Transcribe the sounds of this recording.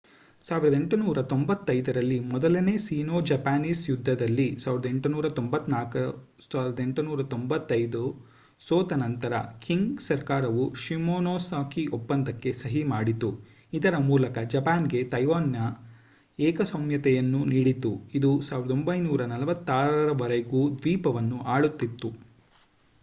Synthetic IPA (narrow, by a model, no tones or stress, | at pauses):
saːʋiɾɐd̪e̞ɳʈunuːɾɐt̪ombɐt̪ːɐjd̪ɐɾɐlːimɔd̪ɐlɐne̞ːsiːnoːd͡ʒɐpaːniːsjud̪ʱːɐd̪ɐlːisaːʋiɾɐd̪e̞ɳʈunuːɾɐt̪ombɐt̪ːnaːkɐ | saːʋɾɐd̪e̞ɳʈunuːɾɐt̪ombɐt̪ːɐjd̪u | soːt̪ɐnɐnt̪ɐɾɐ̰kʰiŋɡsɐɾkaːɾɐʋuʃimoːnoːsaːkiopːɐnd̪ɐkːe̞sɐɦimaːɽit̪u | id̪ɐɾɐmuːlɐkɐd͡ʒɐpaːnɡe̞t̪ɐjʋaːnjɐ | ɛːkɐsomjɐt̪ɛjɐnːuniːɽit̪uid̪usaːʋiɾɐd̪o̞mbɐjnuːɾɐnɐlɐʋɐt̪ːaːɾɐɾɐʋɐɾeɡuːd̪ʋiːpɐʋɐnːuʔaːɭut̪ːit̪ːu